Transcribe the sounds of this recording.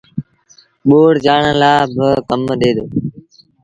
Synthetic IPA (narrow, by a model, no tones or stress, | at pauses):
ɓoːɽd͡ʒaːɳəlaːbəkəmɗ̪eːd̪oː